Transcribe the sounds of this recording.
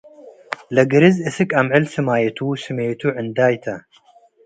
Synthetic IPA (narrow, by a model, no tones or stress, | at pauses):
lɐɡɨɾɨzɨsɨkʼɐmʕɨlsɨmaːjet̪ʰuwsɨmejt̪ʰuʕɨnd̪aːjt̪ʰɐ